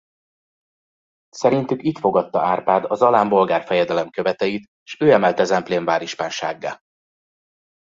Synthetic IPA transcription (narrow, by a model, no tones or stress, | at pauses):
sɛɾint̪ykit̪fo̞ɡɒt̪ːɒaːrpaːd̪ɒzɒlaːmbo̞lɡaːrfɛjɛd̪ɛlɛmkø̞vɛt̪ɛjit̪ː | ʃøːɛmɛlt̪ɛzɛmpleːɱvaːɾiʃpaːnʃaːɡːa̰ː